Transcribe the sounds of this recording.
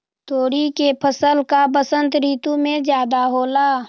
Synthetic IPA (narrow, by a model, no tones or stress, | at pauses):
t̪oːɽikepʰəsəlkabəsə̃nt̪ɾiːt̪ũmẽzjaːd̪aɦoːlaː